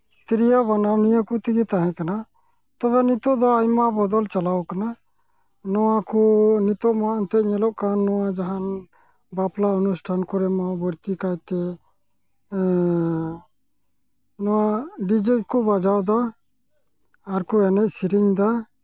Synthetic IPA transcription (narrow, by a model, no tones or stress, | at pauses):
t̪iɾijabanawnijakut̪iɡɛt̪aɦɛ̃kana | t̪ɔbɛnit̪ɔd̪ɔajmabɔd̪ɔlt͡ʃalawkana | nɔwakunit̪ɔmaʔnt̪ɛɲɛlɔʔkanːɔwad͡ʒaɦan | baplaunusʈʰankɔɾɛmabəɾt̪ikajt̪ɛ | nɔwaɖid͡ʒikubad͡ʒawd̪a | ɾkuɛnɛʔsiɾiɲd̪a